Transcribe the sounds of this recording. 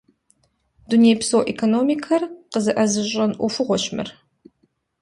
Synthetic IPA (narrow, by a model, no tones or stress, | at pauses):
dunejpsoːʔekʰonomikʰɐrqəzɐʔɐzɨɕʼɐnʔʷʊfʷʊʁʷɔɕmɨ̰r